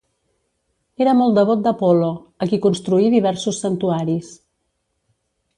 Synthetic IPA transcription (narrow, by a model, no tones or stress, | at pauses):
eɾəmɔlˠt̪d̪əβ̞ɔt̪̚d̪əpɔloəkikunst̪ɾuiðiβ̞ɛɾsusːənt̪uaɾis